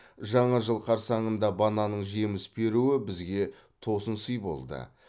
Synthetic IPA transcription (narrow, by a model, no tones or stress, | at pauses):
ʒɑɴɑʒəlˠqʰɑɾsɑɴənd̪ɑbɑnɑnəɴʒe̞mɪsbe̞ɾuɪbɪzɡʲe̞ | t̪ʰo̞sənsəjbo̞̰lˠd̪ə̰